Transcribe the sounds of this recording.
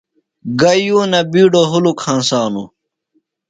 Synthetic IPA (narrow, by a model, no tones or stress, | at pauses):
ɡɐjuːnɐbiːɖoɦulukʰãːnsaːnṵ